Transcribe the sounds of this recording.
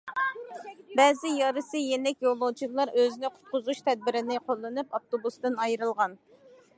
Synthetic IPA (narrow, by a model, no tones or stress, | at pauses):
bɛːzɪjɑɾɨsɨjenɛkʲjolˠːowt͡ʃʰilˠɑɾʔøzɪnɪqʰʊ̥t̪̚qʊzuʃt̪ʰɛd̪̚bɪɾɪnɪqʰolˠːɨnɨpɑft̪obust̪ɨnɑjɾɨlˠʁɑn